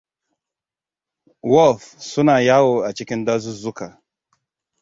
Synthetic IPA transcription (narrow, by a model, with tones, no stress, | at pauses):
wɔ˦˨fsu˦na˨ja˦wo˨a˨t͡ʃi˦ki˦n˦da˦zu˦zu˦ka˨